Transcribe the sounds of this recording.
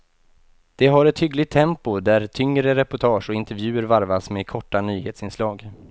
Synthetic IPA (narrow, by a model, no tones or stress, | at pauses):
d̪̥ɛɦaɾɛt̪hʏɡlɪɡ̚t̪ʰːɛmpʊd̪æɾt̪ʰʏŋɾəɾɛpʊʈʰɑːʂɔɪnt̪əɾvjʉ̟ːəɾvaɾvasmekʰɔʈːanyːheːt̪sɪnslɑːɡ